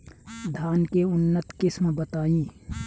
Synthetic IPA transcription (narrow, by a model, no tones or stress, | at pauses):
d̪ʱaːnkeʊnːət̪kɪsmbət̪aːĩː